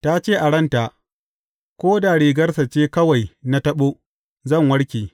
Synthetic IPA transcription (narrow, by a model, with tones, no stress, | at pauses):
ta˦t͡ʃeː˦˨ʔa˨ɽɐ˦nta˨ | kʷoː˦da˨ɽiː˨ɡɐ˦rsɐ˨t͡ʃeː˦kɐ˦wa˨jna˦tɐ˦ɓoː˦ | zɐ˦˨ŋwɐ˦ɽkʲeː˨